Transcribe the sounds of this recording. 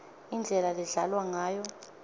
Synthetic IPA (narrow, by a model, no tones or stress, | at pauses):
ind͡ɮʱɛlalɛɮalwaŋaːjɔ